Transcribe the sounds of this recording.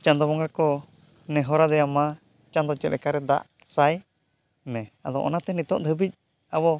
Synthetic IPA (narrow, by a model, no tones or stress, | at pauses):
t͡ʃand̪ɔβɔŋɡakɔ | nɛɦɔɾad̪ɛama | t͡ʃand̪ɔt͡ʃɛlɛ̰kaɾɛd̪a̰ʔ | saj | mɛ̃ad̪ɔ̰ʔɔ̰nat̪ɛnit̪ɔʔd̪ʰʱəbic̚ | aβɔ